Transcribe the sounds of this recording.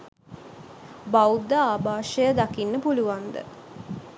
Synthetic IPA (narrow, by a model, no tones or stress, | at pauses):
bawud̪aːbaːʃəjəd̪akinːəpuluʋand̪ə̰